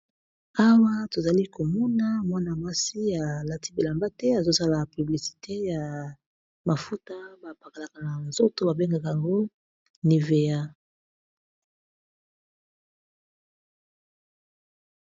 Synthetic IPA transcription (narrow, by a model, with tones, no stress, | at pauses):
a˦wa˦to˨za˨li˦ko˨mɔ˦na˦mwa˦na˨ma˦si˦ja˨la˨tʰi˦bi˨la˨mba˦tɛ˦a˨zo˦sa˦la˨py˨bli˨si̥˨tʰe˦ja˨ | ma˨fu˦ta˦ba˨pa˨ka˨la˨ka˨na˨nzo˦to˦ba˨be˦ŋɡa˨ka˨ja˨ŋɡo˦ | ni˨ve˨ja˦